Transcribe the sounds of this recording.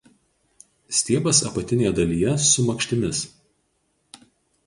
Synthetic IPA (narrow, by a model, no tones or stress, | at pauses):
sʲt̪ʲiɛbɐsɐpɐt̪ʲɪnʲeːjɛd̪ɐlʲiːjɛsʊmɐkʃʲt̪ʲɪmʲɪs